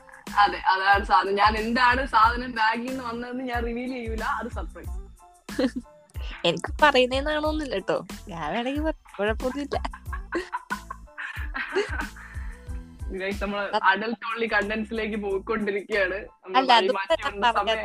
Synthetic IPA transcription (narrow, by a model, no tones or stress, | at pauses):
ɐðeʔɐðaːɳɨsaːd̪ʱɐnɐɲaːne̞ndaːɳɨsaːd̪ʱɐnɐmɾaːɡijenːɨʋɐnːɐðenːɨɲaːnriʋiːlt͡ɕe̞jːuilːɐɐðɨsɐpːɐ | enikʲːɨpɐrɐjunːɐenːaːɳoonːilːɐʈːo̰ːɡaːʋeɽekːipɐrkːoːɻɐpːoðiilːɐ | ŋɐknɐmːɐɭɐɐɖɐltoːɳlikɐɳɖensile̞ːk̬ːɨp̬oːwukːo̞ɳɖiɾikʲːujaːɳɨnɐmːɐlːɐɐmaːɐanɐrɐɐa